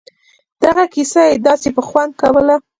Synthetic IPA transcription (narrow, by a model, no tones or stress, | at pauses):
d̪̥aɣakisajed̪ɑsepəxwand̪̚kawəla